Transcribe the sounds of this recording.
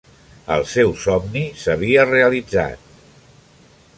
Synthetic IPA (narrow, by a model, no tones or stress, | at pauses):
ə̰lˠsɛwsɔmnisəβ̞iəreəlid͡za̰t̪̚